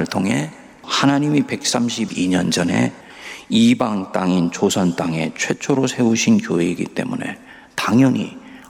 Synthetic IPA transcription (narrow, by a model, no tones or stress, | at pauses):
ɯɭtʰoŋɦe̞ | hanaɲimipe̞k̚s͈amɕ̬ʰibiɲʌnd͡ʑʌnḛ | ibaŋt͈aŋint͡ɕosʰʌnt͈aŋe̞t͡ɕʰwe̞t͡ɕʰoɾosʰe̞uɕʰinkjoɦeiɡḭt͈e̞̰mune̞ | taŋjʌɲḭ